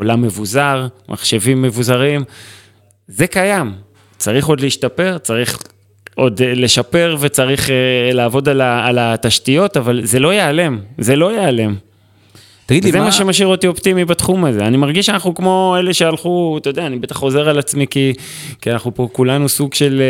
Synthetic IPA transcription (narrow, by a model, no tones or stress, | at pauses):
olamːe̞vuzaʁmʔa̰χʃe̞vimːe̞vuzaʁim | ze̞kajam | t͡saʁiχo̞d̪liiʃtape̞ʁt͡saʁiχ | ʔo̞dle̞ʃape̞ʁve̞t͡saʁiχelaːvo̞dalaːlat̪aʃtijo̞tavalze̞lo̞jeale̞mze̞lo̞jeale̞m | aɡizemaʃemaʃiʁo̞t̪io̞pt̪imibat̪χumaze̞animaʁɡiʃanaχnukmo̞e̞le̞ʃealχut̪ajodeanibet̪aχːo̞ze̞ʁalat͡smiki | kianaχnupo̞kulanusuɡʃe̞l